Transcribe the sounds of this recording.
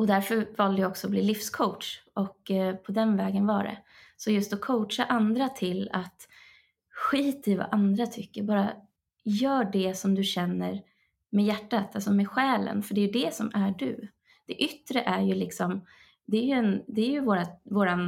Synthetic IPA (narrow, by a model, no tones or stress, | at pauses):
ɔd̪æɾfœɾvɑːld̪əjɔksɔːbliːlɪfskʰowʈʂɔkpʰɔd̪ɛnvɛːɡənvɑːɖɛ̰ | sɔjɵst̪ɔkʰowtʂaʔand̪ɾat̪ʰɪlat̪ | ɧiːt̪ɪva̰ʔand̪ɾat̪ʰʏkːəɾbɑːɾa | jœːɖɛsɔmd̪ɵɕɛnːəɾ | mɛjæʈːat̪ʰalsɔmɛɧɛːlə̰nfœɖɛjɵd̪ɛsɔmæɖɵ̰ | d̪̥ɛʔʏt̪ːɾəʔæɾjɵlɪksɔm | d̪ɛæɾjɵɛnd̪ɛːɾjɵvoːɾavoːɾan